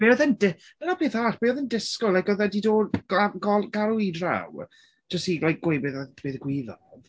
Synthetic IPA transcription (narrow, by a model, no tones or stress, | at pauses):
b̥eːɔðəndɪ | dənapʰeːθaːɬb̥eːɔðəndɪskɔlˠajkɔðɛdido̥ːaɡɔɡaɾuidra̰w | d͡ʒ̥ɔstilajk̚ɡ̥wejbɨðb̥eðɡwɪðɔð